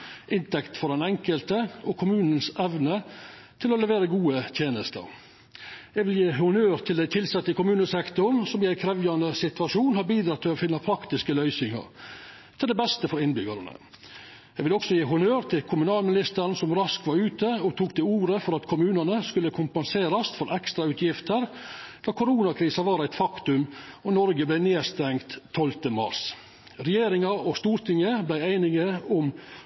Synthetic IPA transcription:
ʔɪnt̪ɛkt̪fɔɾd̪ɛnɛŋkəlt̪əɔkʰʊmʉːnən̩sɛʋnət̪ʰɪlɔlɛʋeːɾəɡuːət̪ʰjeːnəst̪ə̰ɾ | jɛɡʋɪljiːhʊnøːɾt̪ʰɪld̪æɪt̪ʰɪlsɛt̪ːəkʰʊmʉːnəsɛkt̪ʊɾsɔmjæɪkʰɾɛʋjɑnd̪əsɪt̪ʋɑʂuːnhɑɾbiːd̪ɾɑt̪ʰːɪlɔfɪnːɑpʰɾɑkt̪ɪskəlœʏsɪŋɑ̰ɾ | t̪ʰɪld̪ɛbɛst̪əfɔɾɪnbʏɡɑ̰ɾənə̰ | jæɪʋɪlɔksɔjiːɦʊnøːɾt̪ʰɪlkʰʊmʉnɑːlmɪnɪst̪əɾn̩sɔmɾɑskʋɑɾʉːt̪əɔt̪ʰuːkt̪ʰɪuːɾəfɔɾɑt̪kʰʊmʉːnənəskʉlːəkʰʊmpɛnseːɾɑst̪fɔɾʔɛkst̪ɾɑʉt̪ʰjɪft̪əɾ | d̪̥ɑːkʰʊɾuːnɑkʰɾiːsɑʋɑːɾæɪt̪fɑkt̪ʉmɔnɔɾɡəblæɪneːst̪ɛŋt̪ʰːɔlt̪əmɑ̰ɾs | ɾɛjeːɾɪŋɑɔst̪uːɾt̪ʰɪŋːəblæɪæɪnɪŋəʊm

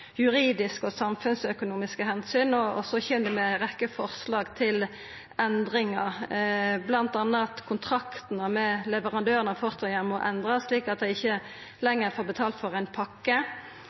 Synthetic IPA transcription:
jʉʁiːd̪ɪskɔsɑmfʉnsœkʊnuːmɪskəhɛnsyːnɔɔsɔçɛːnd̪ɛmɛʁɛkːəfɔʁslɑːɡt̪ʰɪl | ɛnd̪ʁɪŋɑʁblɑnt̪ɑnːət̪kʰʊnt̪ʰʁɑkt̪nəmɛlɛʋəʁɑnd̪øːʁənəfɔʁt̪ʰɑjɛmɔʔɛnd̪ʁɑsliːkɑt̪̚d̪æɪɪçːə | lɛŋːəʁfoːʁbət̪ʰɑːlt̪fɔʁæɪnpʰɑkːə

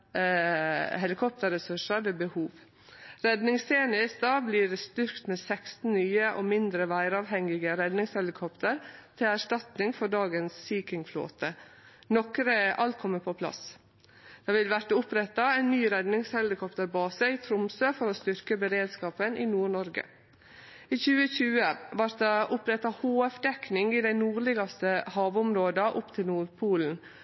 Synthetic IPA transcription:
ɦɛlɪkʰɔp̚t̪əɾəsʉʂəɾʋeːbəhuːʋ | ɾɛd̪nɪŋseːnɪst̪ɑbliːɾst̪ʏɾkt̪meːsɛkst̪n̩nyːəʔoːmɪnd̪ɾəʋæɪɾɑːʋhɛŋːɪɡəɾɛd̪nɪŋshɛlɪkʰɔpt̪ʰəɾt̪ʰɪlæʂʈɑt̪nɪŋfɔɖɑːɡənsːiːkɪŋflo̰ːt̪ənɔkɾəʔɑlt̪̚kʰɔmːəpʰɔpʰlɑ̰s | d̪̥ɑːʋɪlʋæɾʈːəʊpɾɛt̪ɑɛɪnːyːɾɛd̪nɪŋshɛlɪkʰɔpt̪əɾbɑːsəiːt̪ʰɾʊmsøːfɔɾoːst̪ʏɾkəbəɾeːd̪skɑːpənʔiːnuːɳɔɾɡə̰ | iːçʉːəçʉːəʋɑɾt̪̚d̪ɑʔʊpɾɛt̪ɑhoːɛfd̪ɛknɪŋiːd̪æɪnuːɾɭɪɡɑst̪əhɑːʋʊmɾoːd̪ɑʔʊpt̪ʰɪlnuːɾpʰuːln̩

